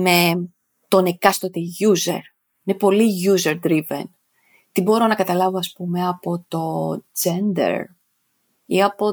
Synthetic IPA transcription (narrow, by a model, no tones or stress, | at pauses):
me | t̪o̞nekɐst̪ot̪eʝuze̞̰ɾ | inepo̞liʝuzeɾd̪ɾivḛn | t̪ibo̞ɾo̞nɐkɐt̪ɐlɐvoɐspume̞ɐpo̞t̪o̞d͡zend̪ḛɾ | iɐpo̞